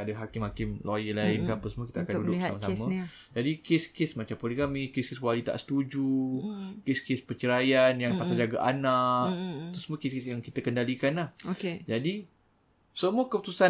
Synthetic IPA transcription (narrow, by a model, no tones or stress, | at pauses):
adaɦakɪmhakɪmlojəlaɪnkaapəsmuəki̥t̪aakandudʊsamasamə̃ | d͡ʒadikeskesmat͡ʃampolikamikeskeswalit̪a̰ʔsə̥t̪ud͡ʒu | keskespət͡ʃəɾajanjaŋpasad͡ʒaɡaʔanaʔʔt̪usmuə̃keskesjaŋkit̪əkəndalikanlahoked͡ʒadi | səmuəkəput̪usa